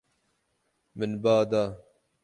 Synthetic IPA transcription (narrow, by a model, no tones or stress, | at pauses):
mɪnbaːd̪aː